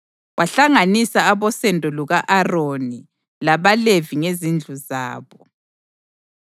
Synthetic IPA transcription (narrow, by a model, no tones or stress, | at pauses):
wʔaɬaŋanisaːβɔsɛndʱɔluɣaʔaroni | laβaleviŋezind͡ɮʱuza̰ːβɔ